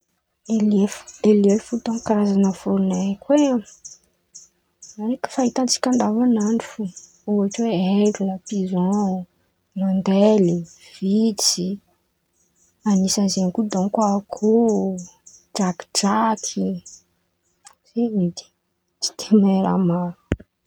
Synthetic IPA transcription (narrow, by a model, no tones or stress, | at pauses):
delefud̪elefut̪ɔ̃ŋkaɾazanəfoɾnekwe | anekə̥faɦit̪ant͡si̥kʲãnd̪avanaɳifu | uaʈ͡ʂweeɾlapizɔ̃ | rand̪eliv̥it͡si | anisazekud̪ɔ̃ŋkwakʰu | d͡ʒaki̥ʈ͡ʂakʰi | z̥eid̪i̥ | t͡ʃi̥t̪ʰemeɾa̰maɾu̥